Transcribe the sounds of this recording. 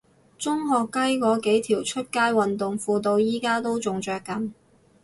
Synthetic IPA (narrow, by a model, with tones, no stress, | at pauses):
t͡sʊ˥ŋɦɔː˨kːɐ˥jkɔː˨˥ke˨˥jt̪ʰiː˨˩wt͡ʃʰɵ˥t̚kaː˥jwɐ˨nt̪ʊ˨ŋfuː˨t̪o˧wjiː˥kaː˥t̪o˥wt͡sʊ˨ŋt͡ʃœː˨kːɐ˨˥n